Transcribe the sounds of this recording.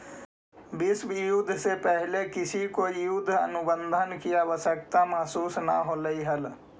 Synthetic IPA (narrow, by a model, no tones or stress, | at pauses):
bisʋjud̪ʱsepəɦlekisʰikojud̪ʱːə̰nubənd̪ʱənkijabəsəkt̪amasuːsna̰ɦoləiɦəl